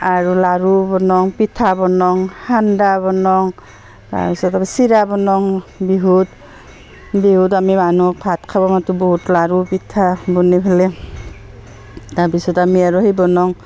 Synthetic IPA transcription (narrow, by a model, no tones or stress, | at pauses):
aɹulaɹubɔnɔŋpitʰabɔnɔŋhandabɔnɔŋ | ta̰bisɔtabɛsiɾabɔnɔŋbiɦut | biɦutamimanupʰat̚kʰabɔmatubɔɦutlaɹupitʰabɔnibʰʱalɛ | taɹpisɔtamiaɹuhejbɔnɔŋ